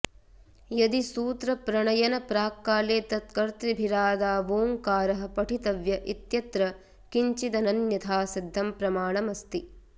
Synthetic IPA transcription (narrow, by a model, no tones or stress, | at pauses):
jɐd̪isuːt̪ɾɐpɾɐɳɐjɐnɐpɾaːkːaːleːt̪ɐt̪̚kɐɾt̪ɾibʱiɾaːd̪aːʋoːŋkaːɾɐɦɐ̆pɐʈʰit̪ɐʋjɐʔit̪jɐt̪ɾɐ | kiɲt͡ʃid̪ɐnɐnjɐt̪ʰaːsid̪ʱːɐmpɾɐmaːɳɐmɐst̪i